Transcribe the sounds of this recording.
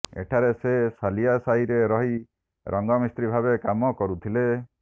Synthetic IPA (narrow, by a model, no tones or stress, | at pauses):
ḛʈʰaɾesesalijasaɦiɾeɾɔɦi | ɾʔɔŋɡɔmist̪ɾibʱabekamɔkɔɾut̪ʰile